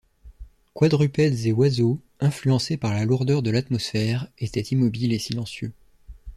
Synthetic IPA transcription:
kwad̪ʁypɛd̪zewazo | ɛ̃flyɑ̃sepaʁlaluʁd̪œʁd̪əlat̪mɔsfɛʁet̪ɛt̪imɔbilesilɑ̃sjø

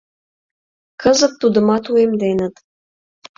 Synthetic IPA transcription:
kəzə̆k̚t̪ud̪ə̆mɑt̪uemd̪enət̪

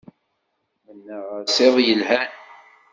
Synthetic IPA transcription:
mənːəʁsˤeðˤjəlhæn

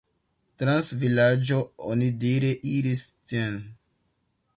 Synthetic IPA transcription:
tɾansvilad͡ʒoo̰nidiɾeʔiɾisten

